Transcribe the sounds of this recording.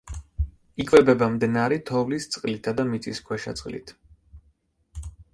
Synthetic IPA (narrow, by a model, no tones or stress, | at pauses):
ikʼvɛbɛbamd̪ɛnaɾit̪ʰɔvlist̪sʼqʼlit̪ʰad̪amit̪sʼiskʰwɛʃa̰t̪sʼqʼlḭt̪ʰ